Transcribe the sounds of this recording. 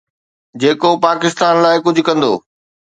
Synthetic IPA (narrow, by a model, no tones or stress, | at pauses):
d͡ʑeːkopaːkɪst̪aːnlaːɪkʊd͡ʑʱʊkɐ̃nd̪o̰ː